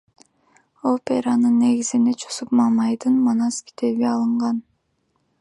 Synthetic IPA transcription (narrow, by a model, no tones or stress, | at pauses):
opʲeɾɑnɯnːe̞ɡizinet͡ʃosupmɑmɑjd̪ɯnmonɑskʲʰi̥t̪ʰe̞βiɑlˠɯɴʁɑn